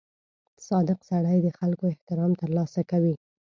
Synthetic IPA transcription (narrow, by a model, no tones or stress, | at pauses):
sɑd̪ɪqsaɽajd̪əxalkoɪht̪ɪɾɑmt̪əɾlɑsakawi